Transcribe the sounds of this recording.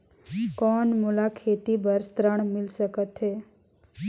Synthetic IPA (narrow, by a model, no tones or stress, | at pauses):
kɔːnmulakʰeːt̪ibʱəɾst̪ɾəɳ̃mɪlsəkət̪ɦeː